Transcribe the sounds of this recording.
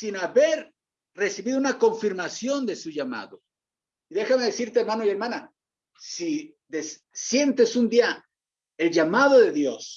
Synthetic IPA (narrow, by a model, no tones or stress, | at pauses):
sinaβe̞ɾ | re̞siβiðunako̞ɱfiɾmasjo̞nd̪e̞suʝama̰ðo | iðe̞xame̞ðesiɾt̪eɾmanojeɾmana | si | ðes | sje̞nt̪e̞sund̪ia | e̞lʝamaðo̞ðe̞ðjo̞s